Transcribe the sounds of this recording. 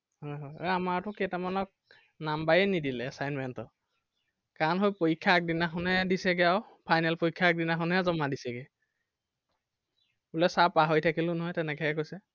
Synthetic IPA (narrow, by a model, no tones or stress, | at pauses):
hɔjɦɔjɔ̰amaɹtʊkɛtamanɔk̚ | nambajɛnidilɛːsajnmɛntɔ | kaɹnɦojpokʰːaːk̚dinaxɔnɛdisɛɡɛaw | pʰajnɛlpojkʰːaːk̚dinaxɔnɛzɔmadisɛɡɛ | ulɛsapaɦojtʰakilʊ̃nɔɦɔjtɛnɛkɛɛkojsɛ